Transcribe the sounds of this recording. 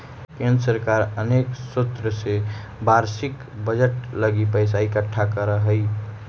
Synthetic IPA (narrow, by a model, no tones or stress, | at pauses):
kenɾsəɾkaɾəneksut̪ɾəse | baɾsik | bəd͡ʒəʈləɡipəjs̬aikəʈʰːakəɾəɦəj